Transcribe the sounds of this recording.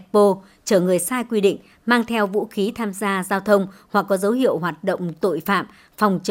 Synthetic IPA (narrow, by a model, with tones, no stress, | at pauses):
k̚po˧ | t͡ɕəː˧˩ŋɨ˨˩əjsaː˧jkwi˧ɗḭ̈˧˨ŋ̟ | maː˧ŋt̪ʰɛ˧wvṵ˧˥xi˨˦t̪ʰaː˧mzaː˧zaː˧wt̪ʰə˧wŋ͡mhwa˨˩k̚ːɔ˨˦zə˨˦whḭ˧˨əwɦwaː˨˩t̚ɗə̰˧˨wŋ͡mt̪o̰˧˨jfa̰ː˧˨m | fa˨˩wŋ͡mt͡ɕ